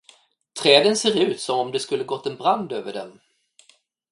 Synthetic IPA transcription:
t̪ʰɾɛːd̪ənseːɾʉ̟ːt̪sɔmɔmd̪ɛskɵlːəɡɔt̪ːɛnbɾand̪øːvəɖɛ̰m

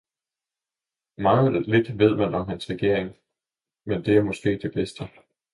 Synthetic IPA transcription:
mɑ̈ŋˠle̝d̥ʋe̝ð̞̰ˠmænɒ̽mɦænsʁɛɡ̥e̝ɐ̰eŋ | mend̥e̝æɐmɒ̽sɡ̥e̝̰ːd̥e̝b̥esd̥ə

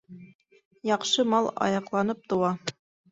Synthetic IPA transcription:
jɑqʃɤmɑlˠɑ̰jɑqlˠɑnɤp̚t̪ŏwɑ

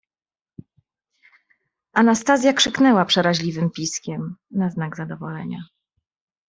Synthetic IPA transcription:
anast̪azʲjakʂɘknɛwapʂɛɾaʑlʲivɘmpʲiskʲɛmnaznaɡzad̪ɔvɔlɛɲa

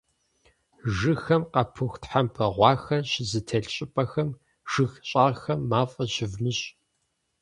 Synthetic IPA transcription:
ʒɨxɐmqɐpʰɨxʷtħampʰɐʁʷɑːxɐɕɪzɨtʰɐɬɕʼɪpʼɐxɐm | ʒ̥ɨxɕʼaːxɐmːaːfʼɐɕɪvnɨɕʼ

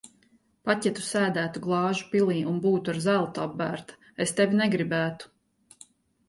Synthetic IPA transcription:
pacɛt̪u̥sæːd̪æːt̪uɡlˠɑːʒupilˠiːʔunbuːt̪uaɾzælˠt̪abːæːɾt̪ḁ | est̪evʲinɛɡɾibæːt̪u̥

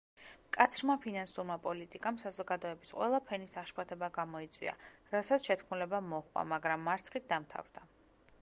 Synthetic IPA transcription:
kʼat̪sʰɾmapʰinansuɾmapʼɔlit̪ʼikʼamsazɔɡad̪ɔɛbisqʼwɛ̰lˠapʰɛnisaχʃpʰʼat̪ʰɛbaɡamɔit̪sʼwḭa̰ɾasat̪sʃɛt̪ʰkʰmulɛbamɔχʼwa̰maɡɾamːaɾt̪sʰχit̪̚d̪amt̪ʰa̰vɾd̪a

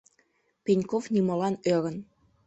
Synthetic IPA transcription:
penʲkofnimɤ̆lɑnøɾə̆n

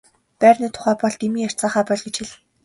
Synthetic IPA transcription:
pæːrʲniːt̪ʰʊ̥χæːpɔɮt̪imiːŋar̥t͡saːχæːpɔɮɡet͡ɕxʰiɮɘ̆n

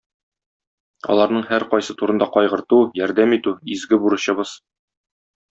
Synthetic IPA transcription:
ɒ̰lˠɑɾnɤɴhæɾqɒjsɤt̪uɾɤ̆nd̪ɑqɒjʁɤ̆ɾt̪ujɒɾd̪æmit̪ʉizɡɘbuɾɤ̆ɕɤ̆bɤz̥

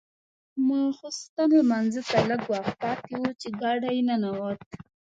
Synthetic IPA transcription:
mɑxost̪anlamanzət̪aləɡwɑx̚pɑt̪ewut͡ʃeɡɑɖajnanawat̪̚

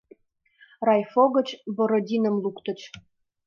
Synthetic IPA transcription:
rɑjfoɣə̆t͡ɕbɤ̆ɾɤ̆dʲinə̆mlukt̪ə̆t͡ɕ

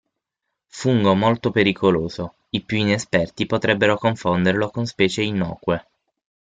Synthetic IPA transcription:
fuŋɡomolt̪opeɾikʰoloːzo | ipjuinespɛrt̪ipot̪ɾɛbːeɾokoɱfond̪erlokonspɛːt͡ʃeinːɔ̰ːkwe

